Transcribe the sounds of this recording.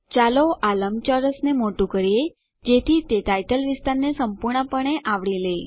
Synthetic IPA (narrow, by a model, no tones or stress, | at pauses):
t͡ʃaloʔaləmt͡ʃəɾəsnemoʈũkəɾie | d͡ʒet̪ʰit̪eʈajʈəlʋɪst̪aɾnesəmpuɾɳəpəɳ̃eʔaʋɭile